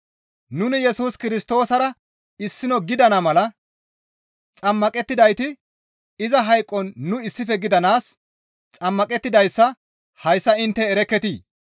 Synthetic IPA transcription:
nʊnɪjɛsuːskɪɾɪst̪o̞ːsɐɾɐ | ɪsːɪnɔɡɪd̪ɐnɐmɐlɐ | t͡sʼɐmːɐkʼɛt̪ːɪd̪ɐjt̪ɪ | ɪzɐɦɐjkʼːɔnːʊɪsːɪfɛɡɪd̪ɐnaːs | t͡sʼɐmːɐkʼɛt̪ːɪd̪ɐjsːɐ | hɐjsːɐɪnt̪ːɛːɾɛkːɛt̪iː

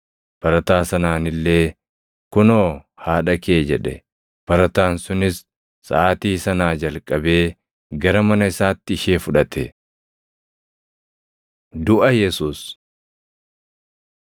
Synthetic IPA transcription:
b̥ɐɾɐt̪aːsɐnaːnɪlːe̞ː | kʊnoːhaːᶑɐke̞ːd͡ʒɛᶑɛ | b̥ɐɾɐt̪aːnsʊnɪsː | ɐ̰aːt̪iːsɐnaːd͡ʒɐlkʼɐbe̞ː | ɡɐɾɐmɐnɐɪsaːt̪ːɪːʃe̞ːfʊᶑɐt̪ɛ | d̪ʊʔɐjɛsuːs

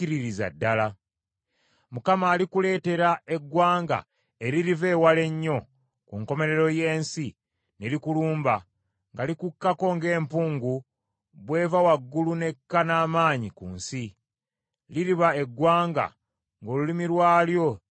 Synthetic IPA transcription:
iɾiɾiza̰dːala | mukamaːlikule̞ːte̞ɾae̞ɡwaːŋɡa̰ | e̞ɾiɾive̞ːwale̞ɲːo̞ | kuŋko̞me̞ɾe̞ɾo̞je̞ːnsi | ne̞likuluːmba | ŋɡalikukːako̞ŋɡe̞ːmpuːŋɡu | βwe̞ːvawaɡːulune̞kːanaːmaːɲikṵːnsi | liɾiβae̞ɡwaːŋɡa̰ | ŋɡo̞ːlulimiɾwaːljo̞

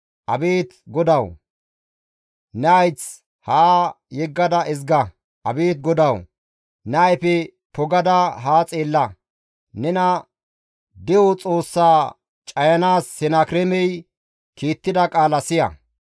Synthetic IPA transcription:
ʔɐbeːt̪ɡɔd̪ɐw | nɛɐjt͡s | haː | jɛɡːɐd̪ɐɪzɡɐ | ʔɐbeːt̪̚ɡɔd̪ɐw | nɛːjpɛ | pɔɡɐd̪ɐɦaːt͡sʼe̞ːlːɐ | nɛnɐ | d̪ɛwɔt͡sʼo̞ːsːaː | t͡ʃʼɐjɐnaːsːɛnaːkɾɛmɛj | kiːt̪ːɪd̪ɐkʼaːlɐsɪjɐ̰

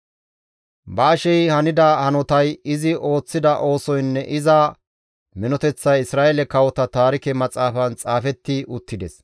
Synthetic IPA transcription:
bɐːʃɛjhɐnɪd̪ɐhɐnɔt̪ɐjɪzɪʔo̞ːt͡sːɪd̪ɐʔo̞ːsɔjnːɛʔɪzɐ | mɪnɔt̪ɛt͡sːɐjɪsɾaːʔelɛkɐwɔt̪ɐt̪aːɾɪkɛmɐt͡sʼaːfɐnt͡sʼaːfɛt̪ːɪʊt̪ːɪd̪ɛs

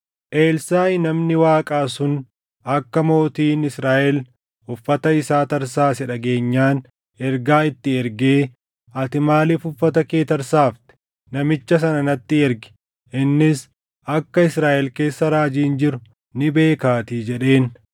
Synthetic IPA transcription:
ʔe̞ːlsaːɪnɐmnɪwaːkʼaːsʊn | ɐkːɐmo̞ːt̪iːnɪsɾaːʔɛl | ʊfːɐt̪ɐɪsaːt̪ɐɾsaːsɛᶑɐɡe̞ːɲːaːn | ɛɾɡaːɪt̪ːɪɛɾɡeː | ɐt̪ɪmaːlɪfʊfːɐt̪ɐkeːt̪ɐɾsaːft̪ɪ̥ | nɐmɪt͡ʃːɐs̬ɐnɐnɐt̪ːɪɛɾɡɪ̥ | ʔɪnːɪs | ʔɐkːɐɪsɾaːʔɛlke̞ːsːɐɾaːd͡ʒiːnd͡ʒɪɾʊ | nɪbe̞ːkaːt̪iːd͡ʒɛᶑe̞ːn

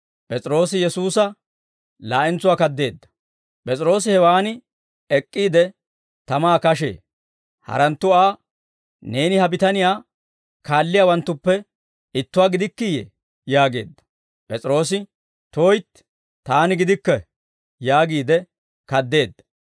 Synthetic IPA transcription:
pʼɛt͡sʼɾo̞ːsɪjɛsuːsɐ | laːʔɪnt͡sʊwaːkɐd̪ːe̞ːd̪ːɐ̥ | pʼɛt͡sʼɪɾo̞ːs̬ɪhɛwaːnɪ | ɛkʼːiːd̪ɛ | t̪ɐmaːkɐʃ̬ḛː | hɐ̰ɾɐnt̪ːʊaː | ne̞ːnɪhɐbɪt̪ɐnɪjaː | kaːlːɪjaːwɐnt̪ːʊpːɛ | ɪt̪ːʊwaːɡɪd̪ɪkːɪjɛ̰ | jaːɡe̞ːd̪ːɐ̥ | pʼɛt͡sʼɾo̞ːs̬ɪ | t̪oːjt̪ | t̪aːnɪɡɪd̪ɪkːɛ | jaːɡiːd̪ɛ | kɐd̪ːe̞ːd̪ːɐ̥

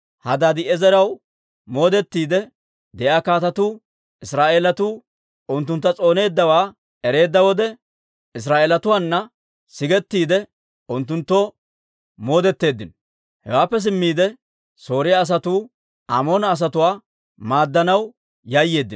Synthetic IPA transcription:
hɐd̪ad̪ɪɛzɛɾɐw | mo̞ːd̪ɛt̪ːiːd̪ɛ | d̪ɛʔaːkaːt̪ɐt̪uː | ɪsɾaːʔeːlɐt̪uː | ʊnt̪ːʊnt̪ːɐt͡sʼo̞ːne̞ːd̪ːɐwaː | ɛɾe̞ːd̪ːɐwɔd̪ɛ | ɪs̬ɾaːʔeːlɐt̪ʊwaːnːɐ | sɪɡɛt̪ːiːd̪ɛ | ʊnt̪ːʊnt̪ːoː | mo̞ːd̪ɛt̪ːe̞ːd̪ːɪnɔ | hɛ̰waːpːɛs̬ɪmːiːd̪ɛ | so̞ːɾɪjaːs̬ɐt̪uː | a̰mo̞ːnɐːs̬ɐt̪ʊwaː | maːd̪ːɐnɐw | jɐjːe̞ːd̪ːɪn

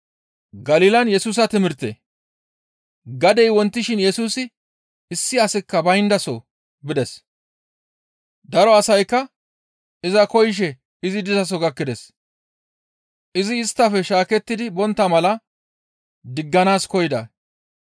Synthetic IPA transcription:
ɡɐliːlɐnjɛsuːs̬ɐt̪ɪmɪɾt̪ḛː | ɡɐd̪ɛjwɔnt̪ːɪʃɪnjɛsuːsɪ | ɪsːɪɐsɪkːɐbɐjnd̪ɐsɔ | bɪd̪ɛs | d̪ɐɾɔɐsɐjkːɐ | ɪzɐkɔjɪʃ̬ɛ | ɪzɪd̪ɪzɐs̬ɔɡɐkːɪd̪ɛs | ʔɪzɪːst̪ːɐfɛʃaːkɛt̪ːɪd̪ɪbɔnt̪ːɐmɐlɐ | d̪ɪɡːɐnaːskɔjɪd̪ɐ̰

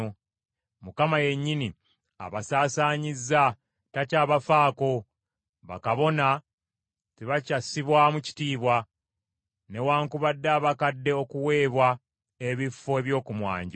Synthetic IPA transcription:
mukamaje̞ɲːini | a̰βasaːsaːɲizːa | tacaːβafaːko̞ | βa̰kaβo̞na | tiβacasiβwamuci̥tiːβwa | ne̞waːŋkuβadːaːβakadːe̞o̞kuwe̞ːβwa | eβifːoeβjo̞ːkumwa̰ːɲɟ

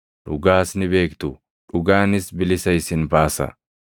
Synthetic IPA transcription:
ᶑʊɡaːsnɪbe̞ːkt̪ʊ | ᶑʊɡaːnɪsbɪlɪsɐɪsɪnbaːsɐ̰

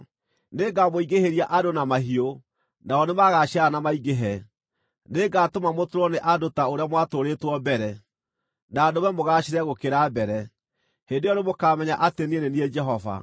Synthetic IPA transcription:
neɡamoiɡeheɾiaʔadonamaɦio | naɔnemaɣaʃaanamaiɣeɦɛ | neɡatomamotoɾɔneʔadotaoɾeamwatoɾetwɔbɛɾɛ | nadomɛmoɣaɕiɾɛɣokeɾabɛɾɛ | hendejɔnemokamɛɲaʔatenienenied͡ʒɛɦɔva̰

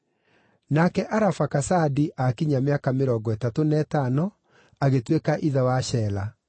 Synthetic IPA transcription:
nakɛʔaɾafakasadiʔakiɲameakameɾɔɡɔɛtatonɛtanɔ | aɣetwekaʔiðawaɕɛːla

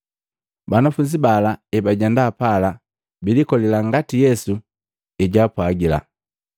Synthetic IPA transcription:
banafuɲd͡ʒibalaɛbaɟɛndaːpala | bilikɔlɛlaŋɡatijɛsu | iɟaːpwaɡila̰

